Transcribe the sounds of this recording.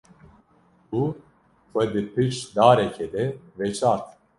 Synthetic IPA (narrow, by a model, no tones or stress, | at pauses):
u | xʷɛd̪ɨpʰɨt͡ʃd̪aːɾɛkʰɛd̪ɛvɛt͡ʃʰaːɾt̪